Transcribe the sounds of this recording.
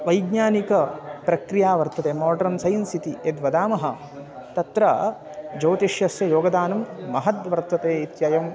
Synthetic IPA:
ʋɐjɡɲaːnikɐpɾɐkɾijaːʋɐɾt̪ɐt̪eːmɔːɖɐɾnsɐjnsit̪ied̪ʋɐd̪aːmɐɦɐ | t̪ɐt̪ɾɐ | d͡ʒɐːt̪iʃjɐsjɐjoːɡɐd̪aːnɐmːɐɦɐt̪ʋɐɾt̪ɐt̪eːit̪jaːjɐm

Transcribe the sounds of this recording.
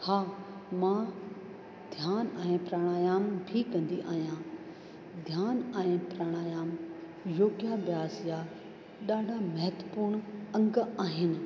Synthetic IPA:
haːmã | d̪ʱjaːnɛ̃ːpɾaːɽ̃aːjaːmbʱikɐ̃nd̪iʔa̰ːɦijã | d̪ʱjaːnɛ̃pɾaːɽ̃aːjaːm | joːɡijabjaːsja | ɗaːɖʱamɐɦət̪əpuːɾɳ̃ɐ̃ŋɡaːɦɪnɪ̆

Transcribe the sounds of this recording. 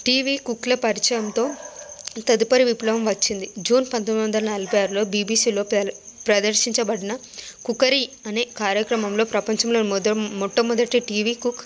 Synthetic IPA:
ʈiːʋiːkuklɐpɐɾit͡ʃɐjɐmt̪o̞ːt̪ɐd̪upɐɾiʋiplɐʋɐmʋɐt͡ʃːind̪id͡ʒuːnpɐnt̪omd̪ʋɐnd̪ɐlɐnɐlɡjaːɾlo̞ːbiːbiːsiːlo̞ːpɾɐd̪ɐɾʃiɲt͡ʃɐbɐɽinɐkukɐɾiɐneːkaːɾjɐkɾɐmɐmlo̞ːpɾɐpɐɲt͡ʃɐmloːnd̪ɐmɔʈːɐmɔd̪ɐʈiʈiːʋiːkuk

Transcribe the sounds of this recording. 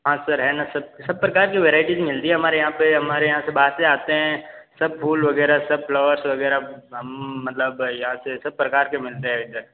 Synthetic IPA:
ɦãːsɐɾɦɛːnasɐb̚sɐb̚pɾɐkaːɾkiʋeːɾaːɪʈizmɪlt̪iɦɛɦɐmaːɾejɐɦãpeɦɐmaːɾejɐɦãsebaːt̪seaːt̪eɦɛ̃sɐb̚pʰuːlʋɐɡɛːɾasɐbflɔːʋəɾsʋɐɡɛːɾaɦɐmːɐt̪ləbjɐɦãsesɐb̚pɾɐkaːɾkemɪlt̪eɦɛ̃ɪd̪əɾ

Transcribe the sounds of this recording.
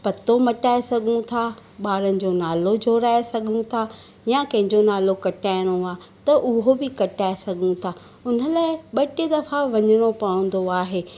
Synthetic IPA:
pɐt̪omɐʈaːesɐɡʱũt̪ʰaɓaːɾənɪ̆d͡ʑoːnaːlod͡ʑʱoːɾaːesɐɡʱũt̪ʰa | jãkɐ̃ɦɪ̃ɲd͡ʑonaːlokɐʈaːɪɽ̃oaː | t̪ɐʔʊɦobɪkɐʈaːesɐɡʱũt̪ʰaː | ʊn̤ə̆laːɪɓɐʈed̪ɐfaʋɐɲəɽ̃opɐɽə̃nd̪oaːɦeː

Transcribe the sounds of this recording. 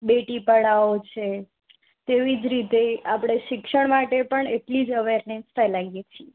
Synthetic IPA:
beʈipəɽaot͡ʃʰe | t̪eʋid͡ʒɾit̪eapɽ̃eʃɪkʃəɳmaʈepəɳeʈlid͡ʒəʋeɾnesfʰɛlaijet͡ʃʰie

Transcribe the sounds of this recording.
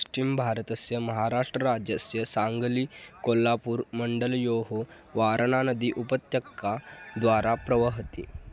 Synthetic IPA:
sʈimbʱaɾət̪əsjəməɦaɾaʂʈɾəɾad͡ʑjəsjəsaŋɡliːkolːapuːɾməɳɖəljoɦo | ʋaɾəɳanəd̪iːʔupət̪jəkːad̪ʋaɾapɾəʋəɦət̪ḭ

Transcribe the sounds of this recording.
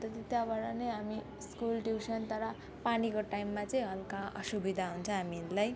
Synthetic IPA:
t̪ʌt̪it̪jabʌɽʌnʌjɦami | skulʈjuwsʌnt̪ʌɾʌ | panikoʈajmːat͡sʌĩɦʌlkaʌ̰subid̪ʱaɦunt͡sʰʌ̃ɦaminlaj

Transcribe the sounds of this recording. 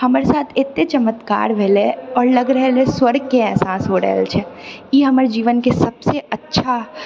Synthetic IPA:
hɐmɾesaːt̪ʰɪt̪ːet͡ʃɐmət̪ka̰ːɾʋʱɛleɔːɾlɐɡɾɛɦɛleswəɾɡ̚keɛːsaːsɦoɾə̰ɦɛ̰lt͡ʃʰɛjeːɦɐməɾed͡ʒiːʋənkesɐbseɐtːʃʰa

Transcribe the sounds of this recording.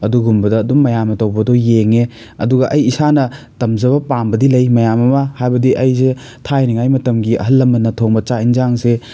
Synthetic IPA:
ɐduɡumbɐdɐːdumːɐjamɐtɐwbɐdojeŋe | ɐ̰duɡɐʔɐjisanɐ | tɐmzɐβɐpambɐdilɐjmɐjamɐmɐhajbɐdiʔɐjze | tʰajniŋajmɐtɐmɡiɐ̰ɦɐlːɐmɐnɐtʰoŋbɐt͡ʃainzaŋse

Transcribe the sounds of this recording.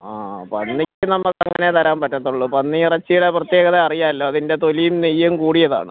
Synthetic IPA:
aːpɐnːikʲːɨnɐmːɐkɐŋːŋːɐne̞t̪ɐɾaːmpɐtːɐt̪ːuɭːupɐnːiirɐt͡ɕːijuɽeprɐt̪je̞ːɣɐðeɐrijaːɐlːo̞ːɐðinde̞t̪o̞lijumnijːɐmkuːɽijɐða̰ːɳɨ̰

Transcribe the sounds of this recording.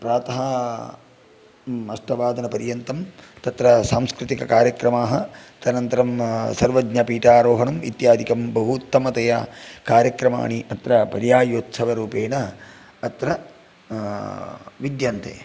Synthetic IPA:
pɾaːt̪ɐɦɐ | ɐsʈɐʋaːd̪ɐnɐpɐɾjɐnt̪ɐmt̪ɐt̪ɾɐsaːmskɾɪt̪ikɐkaːɾjɐkɾɐmaːɦɐt̪ɐnɐnt̪ɐɾɐmsɐɾʋɐɡɲɐpiːʈaːɾoːɦɐɳɐmḭt̪jaːd̪ʱikɐmbɐɦut̪ːɐmɐt̪ɐjɐkaːɾjɐkɾɐma̰ːɳiʔɐt̪ɾɐpɐɾjaːjoːt̪sɐʋɐɾuːpeːnɐː | t̪ɾɐ | ʋid̪jɐːnt̪ʰḛː

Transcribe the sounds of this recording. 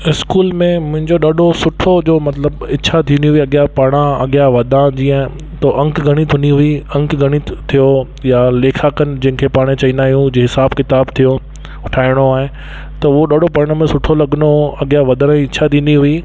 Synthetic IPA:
ɪskuːlmẽmʊ̃ɦɪ̃ɲd͡ʑoɗɐɗʱosʊʈʰod͡ʑoːmɐt̪ləbɪtːɕʰat̪ʰiniɦʊiɐɠjapaːɽ̃ãɐ̰ɠɪjaʋɐd̪ãd͡ʑiːə̃ | t̪oʔɐ̃ŋkɡʱɐɽ̃it̪ʰʊ̃niɦʊiɐ̃ŋkɡʱɐɽ̃it̪ʰijo | jaleːkʰaːkən̆d͡ʑɐ̃ɦɪ̃kʰepaːɽ̃ẽt͡ɕɐĩːnd̪aːɦijũd͡ʑeɦɪsaːbkɪt̪aːbt̪ʰijo | ʊʈʰaːɪɽ̃oaːɦe | t̪ɐʊɦoɗɐɖʱopɐɽ̃əmẽsʊʈʰolɐɠnoɐɠɪjaʋɐd̪əɾãiɪt͡ɕʰat̪ʰiːnd̪iɦʊi

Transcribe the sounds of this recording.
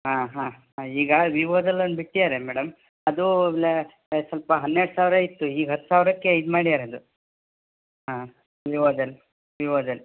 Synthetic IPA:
ɦãːɦãːɦãiːɡɐʋiʋoːd̪ɐlɐnbiʈːid̪aːɾemɛːɽɐm | ɐd̪uble | sɐlpɐɦɐnːeɽsaːʋɾɐit̪ːuiːɡɦɐt̪ːu̥saːʋɾɐkːejid̪maːɽid̪aːɾeɐd̪u | ɦãː | ʋiʋoːd̪ɐl | ʋiʋoːd̪ɐl

